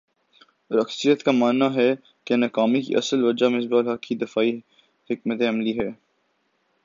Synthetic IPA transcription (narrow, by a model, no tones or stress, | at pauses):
ɾɐksijət̪kamaːnːaɦɛ | kenɐkaːmikḭʔɐ̰səlʋɐd͡ʒamɪs̬baːlɦɐkkid̪ɪfaːi | hɪkmət̪ẽɐmliɦɛː